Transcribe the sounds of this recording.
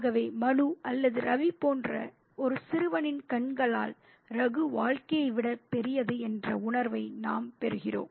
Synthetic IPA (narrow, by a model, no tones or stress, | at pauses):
ɣɐʋeːmɐnuʔɐlːɐðɯɾʔɐʋipoːndrɐ̰ | ɔɾɯsɪɾɯʋɐnɪnkɐɳɡɐɭa̰ːl | ɾɐɣɯʋaːɻkɐjɐɪʋɪɽɐpɛɾɪjɐðɯɛndrɐʊɳɐɾʋɐɪnaːmpɛɾɯɣɪro̰ːm